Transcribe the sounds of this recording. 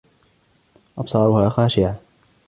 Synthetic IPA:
ʔɑbsˤɑːɾʊhaːxaːʃɪʕa

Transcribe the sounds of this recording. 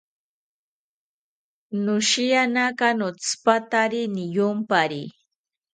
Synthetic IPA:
nʊʃijanakanot͡spat̪aɾinɪjʊmpaɾi

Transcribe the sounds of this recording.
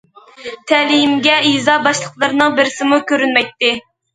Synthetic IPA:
t̪ʰɛlijimɡʲɛizɑbɑʃlˠəqlˠəɾnɨŋbɪɾɪsɪmukʲøɾynmɛj̚t̪ːɪ

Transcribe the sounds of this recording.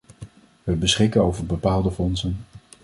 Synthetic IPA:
ʋəbəsχɪkənowvəɹbəpaːlˠdəfɔnsən

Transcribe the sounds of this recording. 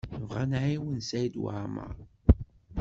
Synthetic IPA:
əvʁanʕiwənsæjd̪wa̰ʕmə̰ʁ

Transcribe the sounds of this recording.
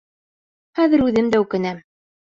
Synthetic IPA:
χæðɘ̆ɾʉðɘmd̪æʉkɘ̆næm

